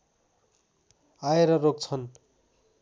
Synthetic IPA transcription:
aeɾʌrokt͡sʰʌn

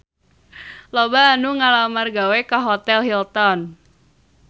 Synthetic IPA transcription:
lɔbaːnuŋalamarɡawekaɦɔt̪ɛlɦilt̪ɔn

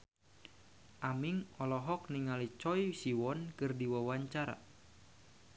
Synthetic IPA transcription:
ʔamiŋɔlɔɦɔk̚niŋalit͡ʃɔisiwɔnkɨrdiwawaɲt͡ʃaɾa̰

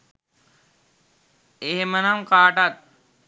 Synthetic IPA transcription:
eɦemənaŋkaːʈat̪̚

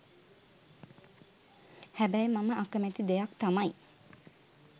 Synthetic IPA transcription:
hæbæjmɑməʔɑkəmet̪id̪ejɑkt̪ɑmɑj

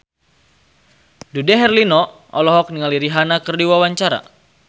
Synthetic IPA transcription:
dudɛɦɛrlinɔ | ʔɔlɔɦɔk̚niŋaliɾiɦanakərdiwawaɲt͡ʃaɾa̰

